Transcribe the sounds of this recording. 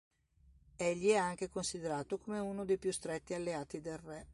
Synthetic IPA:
eʎːiɛaŋk̟ekonsid̪eɾaːt̪okomeunod̪ejpjust̪ɾet̪ːialːeaːt̪id̪elrɛ

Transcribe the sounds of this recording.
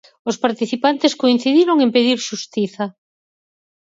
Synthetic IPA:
ʊspaɾt̪iθipant̪eskoin̟θiðiɾoŋempeðiɾʃust̪iθɐ

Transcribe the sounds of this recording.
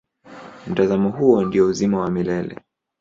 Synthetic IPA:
m̩tazamɔɦuɔndiɔuzimawamilɛlɛ̰

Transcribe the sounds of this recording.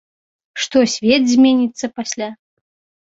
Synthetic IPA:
ʂt̪ɔsʲvʲɛd̪zʲmʲenʲit̪sːɐpasʲlʲa

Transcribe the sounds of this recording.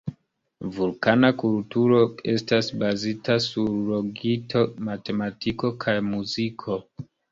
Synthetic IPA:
vulkanakultuɾo̞e̞stasbazitasuɾːoɡitʰo̞mate̞matiko̞kʰajmuzikʰo̞

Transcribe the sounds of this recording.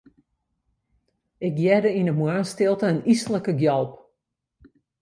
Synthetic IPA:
ɪk̚jɛdəinəmwaːnstɪlˠtəːnisələkəɡjɔlˠp

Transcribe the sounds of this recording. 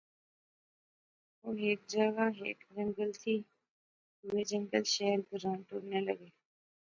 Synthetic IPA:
oːɦeːk̚d͡ʒəɡaːɦḛːkd͡ʒəŋɡəlt̪ʰiː | uʋeːd͡ʒəŋɡəlʃeɦəɾbəɾãːnʈoːɽneːləɡeː

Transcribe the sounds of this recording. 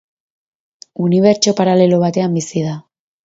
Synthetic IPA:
uniβ̞e̞ɾt͡ʃo̞paɾale̞lo̞β̞at̪e̞ambisiða

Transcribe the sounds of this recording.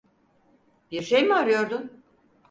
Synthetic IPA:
biɾʃejmaɾɯjo̞ɾd̪un

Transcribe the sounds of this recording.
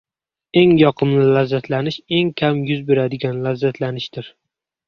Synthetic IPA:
e̞ŋjɒqʰɨmlɪlazːat̪lanɪʃe̞ŋkʲʰamjʊzbeɾad̪ɪɡʲanlazːat̪ʰlanɪʃd̪ɪɾ

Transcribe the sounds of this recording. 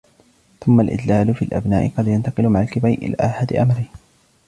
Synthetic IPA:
θʊmːalʔɪ̰d̪laːlʊfiːlʔa̰bnaːʔɪqɑd̪jant̪ɑqɨɪlʊmaʕalkɪbajʔɪ̰la̰ːʔaħad̪ɪʔamɾɪː

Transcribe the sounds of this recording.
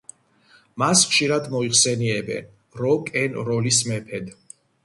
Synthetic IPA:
masχʃiɾad̪mɔiχsɛniɛbɛ̰n | ɾɔkʼɛnɾɔlismɛpʰɛd̪

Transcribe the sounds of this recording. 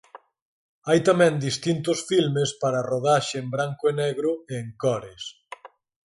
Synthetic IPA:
ajt̪amɛ̃nd̪ist̪int̪ʊsfilmespaɾɐroðaʃeembɾaŋkoenɛɣɾʊeːŋkɔɾes

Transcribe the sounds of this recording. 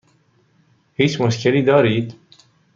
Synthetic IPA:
hiːt͡ʃmuʃkʰeliːd̪ɑːɾiːd̪

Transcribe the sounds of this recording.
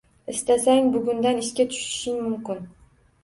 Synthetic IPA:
ɪst̪asaŋbʊɡʊnd̪anɪʃkʲat̪ʰʊ̥ʃɪ̥ʃɪnmʊmkʲɪn

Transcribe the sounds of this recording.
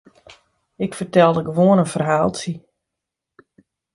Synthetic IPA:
ɪkfərtɛlˠdəɡəʋoənənfərɦaːlˠsi

